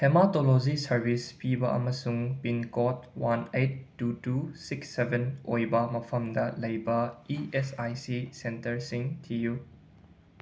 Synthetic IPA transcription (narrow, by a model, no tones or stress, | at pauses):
tʰematolozisɐɾbʱispibɐʔɐ̰mɐsuŋpinkɔtwanejt̚ːutusiksːebʱenojbɐmɐpʰɐmdɐlɐjbɐiesajsisentɐɾsiŋtʰiju